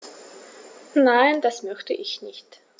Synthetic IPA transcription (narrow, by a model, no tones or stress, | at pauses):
naɪndasmœçtə̰ʔɪçnɪçt